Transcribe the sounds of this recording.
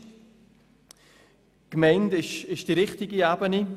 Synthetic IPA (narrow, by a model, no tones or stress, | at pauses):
kmɛɪndɪʃɪʃd̥iɾɪχtɪɡiaːbəni